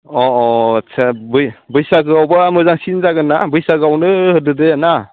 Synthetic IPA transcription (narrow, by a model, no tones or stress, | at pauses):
ɔɔsʰabɯjbɯjsaɡɯawbamɯzaŋsinzaɡɯna̰bɯjsaɡawnɯhɯdɯdɯjana